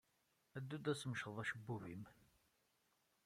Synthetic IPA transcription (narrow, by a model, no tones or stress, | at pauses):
æd̪ːud̪æsəməʃəðˤæʃəbːuvim